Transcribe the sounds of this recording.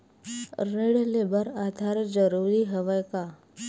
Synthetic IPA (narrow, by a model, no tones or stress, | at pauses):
ɾeɽlebəɾad̪ʱaɾd͡ʒəɾuɾiɦəʋəjka